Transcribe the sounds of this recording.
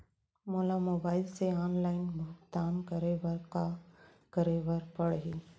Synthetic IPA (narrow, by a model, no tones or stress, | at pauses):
mʊlɐmɔbaːɪlseaːnlɐɪnbʊɦkt̪ːaːnkɐɾeːʋɐɾkaː | kɐɾeːʋɐɾpɐɽɐɦi